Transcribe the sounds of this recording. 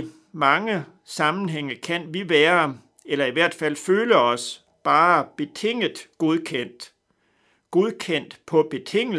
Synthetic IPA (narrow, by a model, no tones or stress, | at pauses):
mɑ̈ŋə | sɑ̈mn̩ɦeŋ̰əkʰæn̰ʋiʋæːɐ | elɐiʋæɐ̰d̥fæl̰føːləɒ̽s | b̥ɑ̈ːb̥e̝t͡sʰe̝ŋ̰ðˠɡ̥oð̞ˠkʰen̰d̥ | ɡ̥oðˠkʰen̰d̥pʰɒ̽b̥e̝t͡sʰe̝ŋ̰